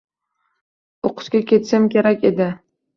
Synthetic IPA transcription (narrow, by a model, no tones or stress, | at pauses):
oqʰʊ̥ʃkʲakʲe̞t̪ʃɪmkʲe̞ɾakʲe̞d̪ɪ